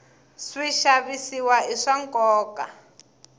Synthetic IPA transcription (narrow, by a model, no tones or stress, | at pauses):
swiʃaβisiwaiʂaŋkɔːka